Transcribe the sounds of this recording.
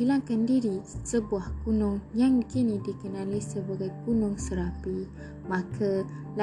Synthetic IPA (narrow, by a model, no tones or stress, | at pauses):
ilaŋkandiɾisəbuahkunʊŋjaŋkinidikənalisəbaɡajkunʊŋsəɾapi | mãkʰala